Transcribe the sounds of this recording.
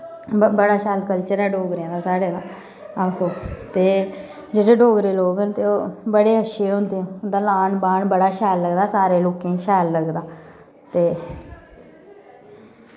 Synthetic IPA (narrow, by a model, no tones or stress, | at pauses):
bəɽaːʃɛːlkəlt͡ʃəɾɛːɖoːɡɾɪjãːd̪aːsaːɽeːd̪aː | aːkoːt̪eː | d͡ʒeːɽeːɖoːɡɾeːloːɡənt̪eːoːbəɽeːɦəʃeːɦõnd̪ẽːnd̪aːlaːɳbaːɳbəɽaːʃɛːlːəɡd̪aːsaːɾeːloːkẽːʃɛːlːəɡd̪aː | t̪eː